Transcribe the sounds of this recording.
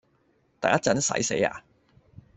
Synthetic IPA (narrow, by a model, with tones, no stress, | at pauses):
t̪aː˨jɐ˥t͡sɐ˨˥nsɐ̰˨˥jse˨˥ja̰ː˧